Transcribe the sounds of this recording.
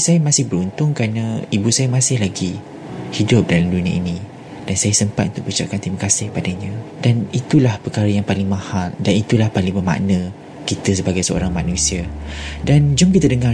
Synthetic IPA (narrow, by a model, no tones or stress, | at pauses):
sajamãsɪhbəɾunt̪ʊŋkɾanaibusajamãsɪhlaɡi | hidʊp̚dalamdunĩə̰inĩ | d̥ansajasəmpat̪̚unt̪ʊk̚bəut͡ʃa̰ʔ̚kant̪ɾimakasɪhpadaɲãdanit̪ulahpərkaɾəjaŋpalɪŋmãhaldanit̪ulahpalɪŋbəma̰ʔnə̃ | kit̪əsəbaɡajsəo̰ɾaŋmanũsiadand͡ʒʊmkit̪ədəŋa